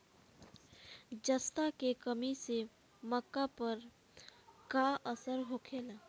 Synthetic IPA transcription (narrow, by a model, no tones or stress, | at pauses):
d͡ʒəst̪akekəmise | məkːapɐɾ | kaəsəɾɦokʰeːlaː